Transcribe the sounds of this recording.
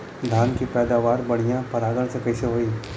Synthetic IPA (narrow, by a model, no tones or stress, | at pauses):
d̪ʱankipɛːd̪aʋaɾbəɽ̤̃ijãpəɾaɡəɭt͡səkəjseɦoiː